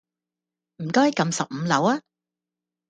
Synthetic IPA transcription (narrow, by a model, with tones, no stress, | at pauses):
m̩˨˩kɔː˥jkɐ˧msɐ˨p̚m̩˨˧lɐ˨˥waː˥